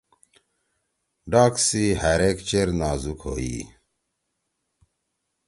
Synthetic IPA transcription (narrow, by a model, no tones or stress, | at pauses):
ɖaːksiɦaɾekt͡ɕeɾnaːzukɦo̰ːḭː